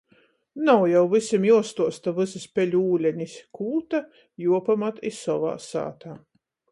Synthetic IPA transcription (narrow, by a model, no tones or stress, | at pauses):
nawjawvɨsʲimjuɔst̪uɔst̪avɨzɨspʲɛlʲuuːlʲɛɲiskuːt̪a | juɔpamat̪isɔva̰ːsa̰ːt̪aː